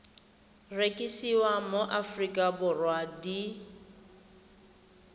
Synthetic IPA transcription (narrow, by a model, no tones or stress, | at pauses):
rekʼisiwamoʔafrikʼabʊrwadi